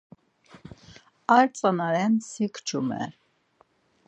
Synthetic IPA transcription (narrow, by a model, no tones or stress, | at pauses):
ɑɾt͡sʼɑnɑɾɛnsikʰt͡ʃʰumɛ̰